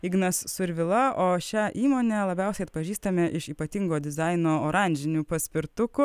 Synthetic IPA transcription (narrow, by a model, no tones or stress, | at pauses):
iɡnɐsːʊɾʲʋʲɪlˠɐʔoːʃʲæʔiːmoːnʲɛlˠɐbʲɛʊsʲɛɪɐt̪̚pɐʒʲiːst̪ɐmʲɛʔɪʃiːpɐt̪ʲiŋɡoːd̪ʲɪzɐɪnoːoːɾɐˑnʲd͡ʒʲɪnʲuːpɐsʲpʲɪɾt̪ʊkʊ